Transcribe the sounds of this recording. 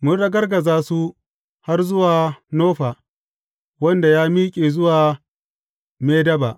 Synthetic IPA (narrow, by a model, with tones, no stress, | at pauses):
mʊ˦ɽɐ˦ɡɐ˦rɡɐ˨zaː˦su˦ | ha˦rzʊ˦waː˨noː˦ɸaː˨ | wɐ˦nda˨jaː˦miː˦kʲʼeː˨zʊ˦waː˨ | meː˦dɐ˦baː˨ʔ